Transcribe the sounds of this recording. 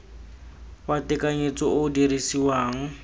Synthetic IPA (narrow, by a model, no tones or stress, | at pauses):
watɪkaɲet͡sʼɔʊdiɾisiwaːŋ̩